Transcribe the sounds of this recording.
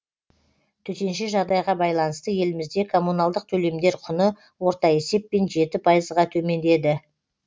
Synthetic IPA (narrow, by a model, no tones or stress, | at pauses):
t̪ʰɵt̪e̞nʃɪʒɑʁd̪ɑjʁɑbɑjlˠɑnəst̪əje̞lɪmɪzd̪e̞kʰo̞munɑlˠd̪əq̚t̪ʰɵle̞md̪e̞ɾqʰʊnə | wo̞ɾt̪ɑe̞se̞pːe̞nʒe̞t̪ɪpʰɑjəzʁɑt̪ʰɵme̞nd̪e̞d̪ɪ